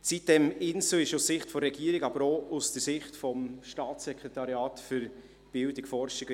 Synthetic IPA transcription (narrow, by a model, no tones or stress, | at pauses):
sit̚d̥ɛmɪnsəɪʃussɪχtfɔɾːɛɡiːɾɪɡɑbəɾousd̥əɾsɪχtfɔmʃtɑːt͡sːɛkʁetɑɾjɑːtfyɾ | b̥ɪldɪkfɔrʃɪɡ